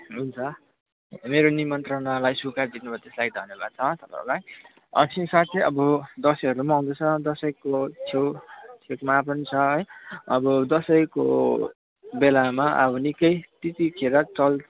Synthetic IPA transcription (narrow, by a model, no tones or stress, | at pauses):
ɦunt͡sʰʌ | meɾonimʌnt̪rʌnalajsukard̪inubʱʌt̪eslajd̪ʱʌnjebʱad̪̚t͡sʰʌt̪ʌpã̰ɦɾulaj | ʌ̰sĩsat̪seʌbʌd̪ʌsʌjɦʌɾumaɦũd̪ʌt͡sʰʌd̪ʌsʌjkot͡sʰewt͡sʰekmap̬ʌnit͡sʰʌɦʌjʌbʌd̪ʌsʌjko̰ | belamaʔʌ̰bʌnikʌjt̪it̪ikʰeɾʌt͡sʌl